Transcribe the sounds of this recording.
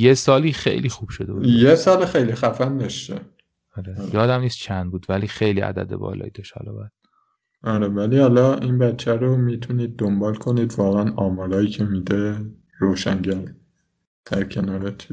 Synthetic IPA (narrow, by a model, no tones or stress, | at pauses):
jesɒːliːxḛjlixuːb̥ʃod̪ebuːd̪jesɒːlxejlixæfænd̪ɒʃt̪e | ɒɾejɒːd̪æmniːst̪t͡ʃʰænd̪buːd̪væliːxe̞jlḭʔæ̰d̪æ̰d̪e̞̰bɒ̰ːlɒ̰ːjiːd̪ɒʃt̪hɒ̰lɒ̰bæd̪̥ | ʔɒɾevæliːhɒlɒːiːnbæt̪t͡ʃʰːæɾomiːt̪ʰuniːd̪̚ːombɒːlkʰo̞niːd̪vɒːɣeænɒːmɒːɾɒːjiːcʰemiːd̪e | ɾoːʃæŋɟæn | d̪̥æɾcʰe̞nɒːɾet͡ʃʰiː